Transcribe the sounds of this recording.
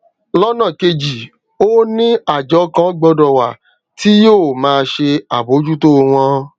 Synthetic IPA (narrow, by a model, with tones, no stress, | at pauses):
lɔ˦nã˦˨ke˧d͡ʒi˨ | o˦nĩ˦a˦˨d͡ʒɔ˨˦kã˦ɡ͡bɔ˧dɔ˨wa˨ | ti˦joː˦˨mãː˧ʃe˧a˨bo˨˦d͡ʒu˦to˦˧w̃ɔ̃˧